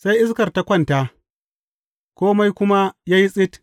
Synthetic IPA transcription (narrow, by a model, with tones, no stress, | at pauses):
sa˦jʔɪ˦skɐ˨rta˦kʷɐ˦˨nta˦ | kʷoː˦ma˦jkʷʊ˦ma˦ja˦ji˦sʼɪ˦t